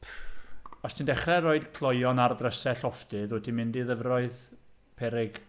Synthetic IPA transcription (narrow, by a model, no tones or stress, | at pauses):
p | ɔstʰindɛχrɛɾoɨd̥kʰlˠɔjɔnardrəsɛɬɔfdɨðwɛdʰimɪndiðəvrɔɨð | pʰɛɾɪɡ̥